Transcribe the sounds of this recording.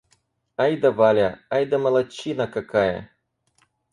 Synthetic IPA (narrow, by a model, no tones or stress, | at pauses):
ajd̪ɐvalʲaajd̪ɐmɐlˠɐt͡ɕinakakajɐ̰